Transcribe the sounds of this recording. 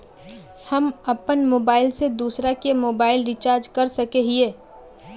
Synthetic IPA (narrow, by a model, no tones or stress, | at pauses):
hɐmɐpənmoːbaːɪlsed̪uːsɾakemoːbaːɪlɾit͡ʃaːɾd͡ʒkɐɾsɐkeɦieː